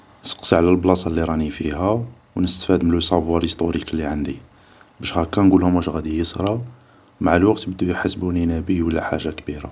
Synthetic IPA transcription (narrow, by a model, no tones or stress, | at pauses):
nsə̥qsiʕlælblɑsˤɑlːiɾˤɑnifiɦæ | wnəst̪fæd̪məlsˤɑbwɑɾist̪uɾiklːiʕand̪i | bæʃhækːænɡulhʊmæʃɣæd̪ijəsˤɾˤɑ | maʕəlwæqt̪bəd̪ːujħasbuninæbiwəlːæħa̰ʒːakbiɾa̰